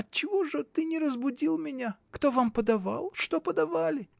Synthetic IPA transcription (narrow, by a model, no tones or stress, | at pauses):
ɐt̪̚t͡ɕɪvo̞ʐət̪ɨnʲɪɾəzbʊdʲilˠmʲɪnʲakt̪o̞vampəd̪ɐva̰lˠʂt̪opəd̪avalʲɪ